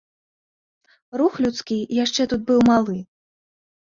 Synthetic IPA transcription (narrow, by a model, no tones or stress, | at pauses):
ruxlʲut̪skʲijaʂt͡ʂɛt̪ut̪̚bɨwmalˠɨ